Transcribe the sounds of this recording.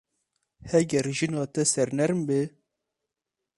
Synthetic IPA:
hɛɡɛɾʒinɑt̪ɛsɛɾnɛɾmbe

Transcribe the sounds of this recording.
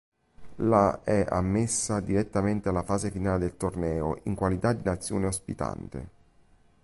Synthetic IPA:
laɛa̰mːesːad̪iɾet̪ːament̪ealːafaːzefinaːled̪elt̪ornɛːoʔiŋkwalit̪ad̪ːinat̪sːjo̰ːneospḭt̪a̰nt̪ḛ

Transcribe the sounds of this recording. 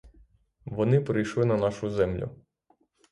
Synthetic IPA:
ʋɔnɪpɾɪjʃlˠɪnɐnɑʃʊzɛmlʲʊ̰

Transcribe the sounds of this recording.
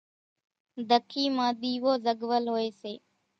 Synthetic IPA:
d̪ʱəkʰiːmãːɗ̪iːʋoːzəɠʋəlɦoːeːseː

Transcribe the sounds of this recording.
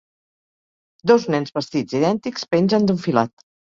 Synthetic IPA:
d̪ɔznɛnzβəst̪id͡ziðɛnt̪ikspenzənd̪uɱfila̰t̪

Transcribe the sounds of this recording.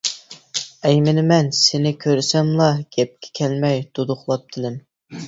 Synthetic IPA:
ɛjmɪnɪmɛnsɪnɪkʲʰøɾsɛmlˠɑɡ̥ʲɛp̚kʲʰɛ̥kʲʰɛlmɛjd̪̥od̪ʊχlˠɑp̚t̪ʰɪlɪm

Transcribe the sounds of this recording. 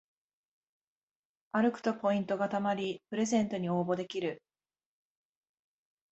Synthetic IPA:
aɾɯ̟kɯ̟̥t̪o̞po̞ĩnt̪o̞ɡat̪amaɾʲipɯ̟ɾe̞zẽ̞nt̪o̞ɲ̟io̞ːbo̞d̪e̞kʲiɾɯ̟

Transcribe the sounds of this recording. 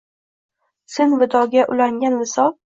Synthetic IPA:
sɪnvɪd̪ʰɒɡʲaʔʊlaŋɡʲanlɪsɒl

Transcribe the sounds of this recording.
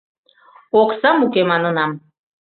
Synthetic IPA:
oqsɑmukʲemɑnɯnɑm

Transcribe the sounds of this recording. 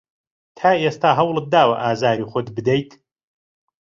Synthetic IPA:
t̪ʰaːest̪aːɦɐwlˠɨd̪aːwɐ̰ʔaːzaːɾiːχʊt̪bɨd̪ɛjt̪

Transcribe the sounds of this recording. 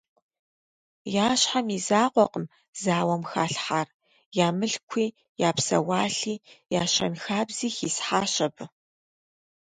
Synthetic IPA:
jaːɕħamizaːqʷʼɔqʼəm | zaːwɐmxaːɬħar | jaːmɨɬkʷʰiː | jaːpsɐ̰waːɬiːjaːɕɐ̰mxaːbz̥iːxiːsħaːɕɐb

